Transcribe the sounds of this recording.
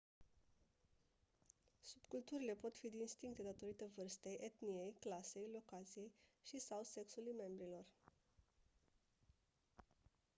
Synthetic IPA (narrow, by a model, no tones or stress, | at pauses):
subkult̪uɾile̞po̞t̪fid̪iːnst̪iŋk̚t̪e̞d̪at̪o̞ɾit̪əvɨrst̪ejʔet̪nije̞jklase̞jlo̞kat̪sije̞jʃisawse̞ksulujme̞mbɾilo̞r